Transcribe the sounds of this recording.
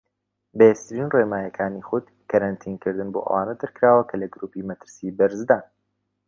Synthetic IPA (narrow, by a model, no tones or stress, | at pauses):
bɐjest̪ɨɾinremaːjɐkʰaːniχʊd̪ | kʰɐɾɐnt̪ʰinkɨɾd̪ɨnbo̰ʔɐ̰waːnɐd̪ɐɾkɾaːwɐkʰɐlɐɡɨɾuːpiːmɐt̪ʰɨɾsiːbɐɾzd̪aːn